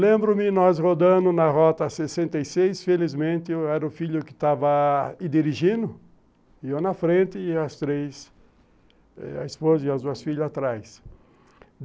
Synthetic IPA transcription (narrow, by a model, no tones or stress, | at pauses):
lẽmbɾõmɪnɔshod̪ɐ̃nʊnɐɦɔt̪ɐsesẽnt̪ejsejsfelizmẽnt̪ɪɛɾɐʊfiʎʊkɪ̥t̪avɐɪd̪iɾiʒĩnʊ | ionɐfɾẽnt̪ɪːɐst̪ɾes | ɛ̰ɐ̰ɪspozɐiɐzd̪uɐsfiʎɐat̪ɾajs